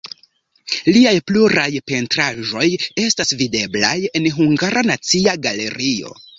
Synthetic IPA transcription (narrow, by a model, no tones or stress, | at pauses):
liajpluɾajpe̞ntɾaʒo̞je̞stasvide̞bla̰je̞nɦuŋɡaɾanat͡siaɡale̞ɾio̞̰